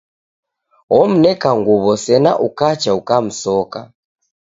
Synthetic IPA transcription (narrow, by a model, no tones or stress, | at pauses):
ɔm̩nɛkaŋɡuβɔsɛna̰ʔukat͡ʃaukam̩sɔka